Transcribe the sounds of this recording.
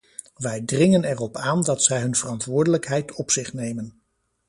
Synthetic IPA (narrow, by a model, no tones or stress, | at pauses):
ʋɛjdrɪŋənɛrɔpaːndɑtsɛjɦɵnv̥ərɑntʋʊːɹdələkɦɛjtɔpsɪχnejmən